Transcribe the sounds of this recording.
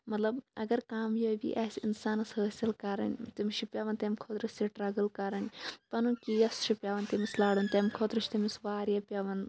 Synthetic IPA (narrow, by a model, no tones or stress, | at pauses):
mɐt̪lɐbɐ̰ɡɐɾkaːmjoːbḭʔɐːsʲinsaːnɐsɦəsɐlkɐɾɐ̰nʲt̪imʃʰipʲjaːʋɐnt̪ɐmʲkʰoːt̪ɾɨsiʈɾɐɡɐlkɐɾɐnʲpɐnukijɐst͡ʃʰipʲaːʋɐnt̪imislaːɽunt̪ɐmkʰoːt̪ɾɨt͡ʃʰt̪imisʋaːɾjaːpʲjɐʋɐn